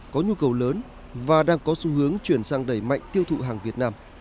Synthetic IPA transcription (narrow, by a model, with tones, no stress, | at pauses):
kɔ˨˦ɲu˧kə˨˩wləː˨˦n | vaː˨˩ɗaː˧ŋkɔ˨˦su˨˦hɨ˨˦əŋt͡ɕwi˧˩ənsaː˧ŋɗə˧˩jma̰˧˨jŋ̟t̪i˧əwt̪ʰṵ˧˨ɦaː˨˩ŋvi˨˩ət̚naː˧m